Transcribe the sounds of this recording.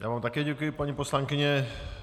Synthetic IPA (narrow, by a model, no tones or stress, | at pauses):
jaːvaːmt̪akɛːɟɛkujɪpaɲiposlaŋkɪɲɛ